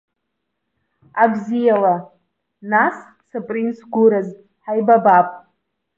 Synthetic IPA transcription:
aɡʷzijala | nas | sapʼrinsʰɡʷʊɾaz | ħajbabapʼ

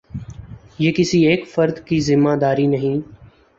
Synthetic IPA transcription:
jeːkɪsieːkfəɾd̪kizɪmːaːd̪aːɾiːnəɦĩː

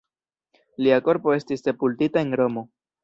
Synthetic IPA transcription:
liako̞ɾpo̞e̞stiste̞pultitae̞nɾo̞mo̞

